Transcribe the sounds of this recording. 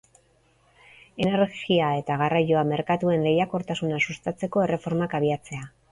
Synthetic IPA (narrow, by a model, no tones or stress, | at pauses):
e̞ne̞ɾɣiae̞t̪aɣarajo̞ame̞ɾkat̪ue̞nle̞jako̞ɾt̪asunasust̪at͡se̞ko̞e̞re̞fo̞ɾmakaβ̞iat͡se̞a